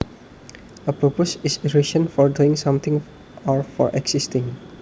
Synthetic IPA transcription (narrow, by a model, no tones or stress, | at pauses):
əpɾoposɪsiɾɪʃə̃nfɔɾɖuɪ̃ŋsʌ̃mt̪ʰɪ̃ŋ | ɔɾfɔ̰ɾʔeɡsɪsʈɪ̃ŋ